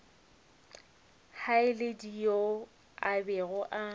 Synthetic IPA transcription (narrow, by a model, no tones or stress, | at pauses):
haɪledijo | abɛɣʊʔa